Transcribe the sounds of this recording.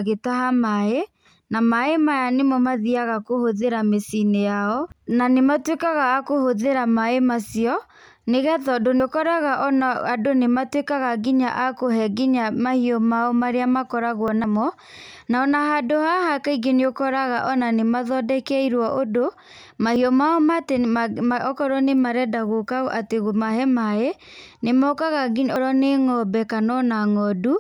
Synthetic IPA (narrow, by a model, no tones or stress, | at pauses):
ɣetaɦamae | namaemajanemɔmaðiaɣakohoðeɾamesinejaɔnanematwekaɣaːkohoðeɾamaemasiɔ | neɣɛðɔdoneokɔɾaɣaʔɔnaadonematwekaɣaɡiɲa̰ʔakoɦɛɡiɲamahiɔmaɔmaɾeamakɔɾaɣwɔnamɔ | naɔnahadohahakaiɡeneokɔɾaɣaʔɔnanemaðɔdɛkɛiɾwɔʔodo | mahiɔmaɔmataɔkɔɾɔnemaɾɛdaɣokaʔateɣomahɛmae | nemɔkaɣaɡɲɔɾɔneŋɔbɛkanɔnaŋɔdu